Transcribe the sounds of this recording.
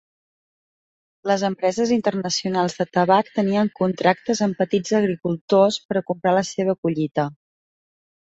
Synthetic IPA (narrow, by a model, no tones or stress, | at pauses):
ləzəmpɾɛzəzint̪ərnəsiunalˠzðət̪əβakt̪əniəŋkunt̪ɾak̚t̪əzəmpət̪id͡zəɣɾikulˠt̪ospəɾəkumpɾaləseβ̞əkuʎit̪ə